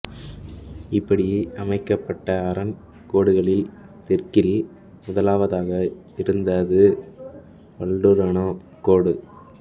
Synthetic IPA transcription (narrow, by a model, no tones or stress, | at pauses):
ɪpːɐɽɪjeːʔɐmɐɪkːɐpːɐʈːɐːɾɐn | koːɽɯɣɐɭɪlt̪ɛrkɪɾi | mʊðɐlaːʋɐðaːɣɐ | ɪɾɯnd̪ɐðɯ | pɐɭɖɯɾɐnoː | koːɽɯ